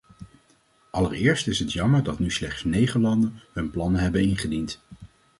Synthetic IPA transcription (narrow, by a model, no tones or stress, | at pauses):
ʔɑləɹɪːɹstɪsɦətjɑməɹdɑtnyslɛχtsnejχəlɑndənɦɵnplɑnəɦɛbənɪnχədint